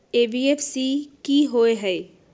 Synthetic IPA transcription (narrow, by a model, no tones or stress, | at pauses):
ebiepʰsikiɦoeɦɛ